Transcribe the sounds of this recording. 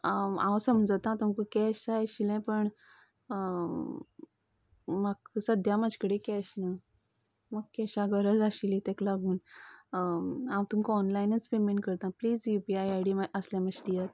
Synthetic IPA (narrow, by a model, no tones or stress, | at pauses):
a̰wsəmd͡zət̪ãt̪umkəkɛɕaɕilɛ̃pəɳ | maksəd̪ʱjamad͡ʑʱkəɽekɛɕna | məɡkɛɕaɡəɾəd͡zaɕilit̪ɛ̃klaɡuːn | amt̪ũmkɔnlajnət͡spemeɳʈkəɾt̪ãpliːd͡zjupiajaɽiəsljaməɕd̪ijat̪̚